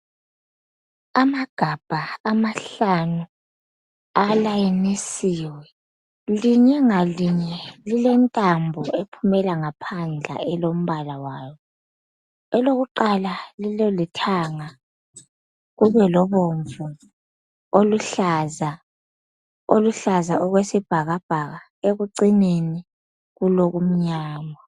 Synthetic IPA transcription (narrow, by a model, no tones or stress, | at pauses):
amaɡ̥ʱab̥ʱaːmaɬanu | alajinisiːwɛ | liɲɛŋaliɲɛlilɛntʼambʱɔepʰumɛlaŋapʰand͡ɮʱa̰ɛlom̩βalawaːjɔ | ɛloɣuǃalalilɔlitʰaːŋa | ɣuβɛlɔβoɱvu | oluɬaza | oluɬazaɔɣwesib̥ʱaɣab̥ʱaɣa | eɣuǀineni | ɣuloɣum̩ɲaːma